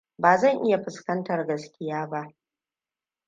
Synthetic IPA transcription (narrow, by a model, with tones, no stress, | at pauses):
baː˨zɐ˦˨ŋʔɪ˦ja˨ɸɪ˨skɐ˦ntɐ˨rɡɐ˨skʲɪ˦jaː˦ba˦ʔ